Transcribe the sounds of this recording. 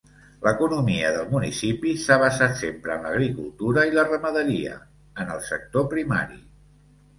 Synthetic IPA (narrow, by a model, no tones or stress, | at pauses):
ləkunumiəðəlˠmunisipisaβəzat̪sempɾəːnləɣɾikulˠt̪uɾəilərəməðəɾiə̰ | ənəlˠsək̚t̪opɾima̰ɾḭ